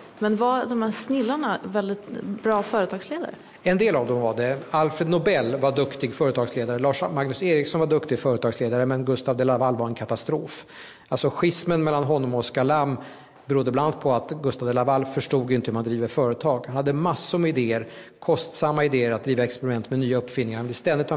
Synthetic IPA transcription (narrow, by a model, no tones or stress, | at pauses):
mɛnvad̪ɔmhæːsnɪlːanavɛld̪ɪt̪bɾɑːfœːɾət̪ʰɑːɡsleːd̪a̰ɾə̰ | ɛnd̪eːlavd̪ɔmvaɖ̪ɛalfɾed̪nɔbɛlːvaɖ̪ɵkt̪ɪɡfœːɾət̪ʰɑːɡsleːd̪aɾəlɑːʂmaŋnɵseːɾɪksɔnvaɖ̪ɵkt̪ɪɡfœːɾət̪ʰɑːɡsleːd̪aɾəmɛnɡɵst̪avd̪ɛlavalːvaɾɛnkʰat̪ast̪ɾoːf | alsɔɧɪsmənmɛlːanɦɔnːɔmɔskalam | bɛɾud̪ːəbland̪pʰɔat̪ɡɵst̪avd̪ɛlavalfœʂʈuːɡjɪnt̪əhɵmand̪ɾiːvəɾfœːɾət̪ʰɑːɡhanhad̪ːəmasːʊɾmɛɪd̪eːəɾ | kʰɔst̪samːaɪd̪eːəɾat̪̚d̪ɾiːvaɛkspɛɾɪmɛnt̪mɛnyːaɵpːfɪlnːɪŋaɾhanvɪlːəst̪ɛnd̪ɪt̪ʰː